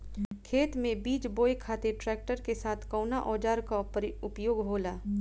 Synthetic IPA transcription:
kʰeːt̪mẽbiːd͡ʒboːekʰaːt̪eʈɾɛːk̚ʈəɾkesaːt̪ʰkɔʊnaʔɔːd͡ʒaːɾkaɾʊpjoːɡɦoːlaː

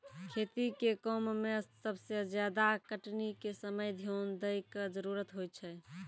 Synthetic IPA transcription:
kʰet̪ikekɔmmesəbsed͡ʒjad̪akəʈnikesəməjd̪ʱijond̪əjked͡ʒəɾuɾət̪ɦojt͡ʃʰɛ

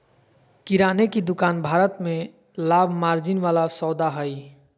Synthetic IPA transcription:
kiɾaːnekid̪ʊkaːnbʱaːɾət̪mẽ | laːbʱmaːɾd͡ʒinʋaːlasɔːd̪aɦəj

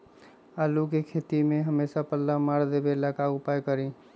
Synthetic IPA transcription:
aːlukekʰet̪imẽɦəmesapəlːamaɾd̪ebelakaʊpajkəɾĩ

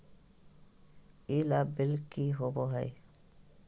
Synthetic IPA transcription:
iːlaːbɪlkiːɦoboɦəj

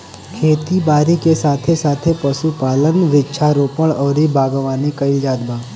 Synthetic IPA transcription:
kʰeːt̪ibaːɾikesaːt̪ʰesaːt̪ʰepɐʃupaːlənʋɪtːʃʰaɾoːpəɽɔːɾibaːɡəʋaːnekɐɪld͡ʒaːd̪baː

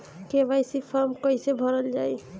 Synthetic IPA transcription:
kebajsipʰɔɾmkɔjsebʱɔɾəld͡ʒaj

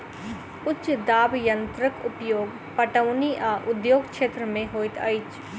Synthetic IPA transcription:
ʊt͡ʃːd̪aːbjɐnt̪ɾəkʊpjoːɡ | pɐʈəʋniʔaːʔʊd̪joːɡkʃeːt̪ɾəmẽɦoːɪt̪ɐ̰it͡ʃ

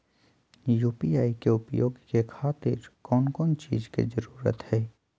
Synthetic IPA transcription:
juːpiaːikeʊpjo̰ːɡkekʰaːt̪ɪ̰ɾkɔːnkɔːnt͡ʃḭːzkḛzəɾuːɾə̰t̪hɛː

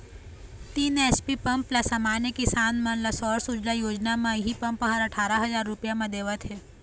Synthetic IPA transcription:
t̪iːnespipɐ̃mplasamaːnjəkisaːnmɐ̃nlasɔːɾsʊd͡ʒlajoːd͡ʒnamãɦipə̃mpɦəɾəʈʰaːɾaɦɐzaːɾːʊpjamãd̪eːʋət̪ɦɛː

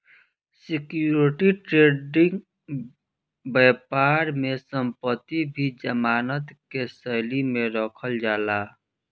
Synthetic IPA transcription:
sikjuɾiʈiʈɾeɖiŋɡ | bɛpaɾmesəmpət̪ibʱid͡ʒəmanət̪kesəjlimeɾəkʰəld͡ʒala

